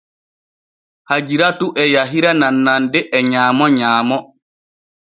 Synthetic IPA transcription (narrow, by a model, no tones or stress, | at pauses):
had͡ʒiɾatuʔɛjaɦiɾananːandɛʔɛɲaːmɔɲaːmɔ